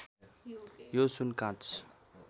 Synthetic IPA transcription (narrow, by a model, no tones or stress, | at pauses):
josunkãt͡sʰ